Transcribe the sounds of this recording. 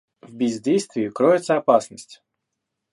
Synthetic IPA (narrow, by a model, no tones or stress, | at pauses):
vʲbʲɪzʲdʲejst̪vʲɪjɪkɾɔɪt̪səɐpasnəsʲtʲ